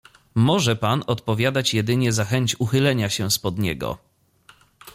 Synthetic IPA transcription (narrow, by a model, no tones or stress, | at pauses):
mɔʐɛpanɔt̪pɔvʲjad̪at͡ɕjɛd̪ɘɲɛzaxɛɲt͡ɕuxɘlɛɲaɕɛspɔd̪ɲɛ̰ɡɔ̰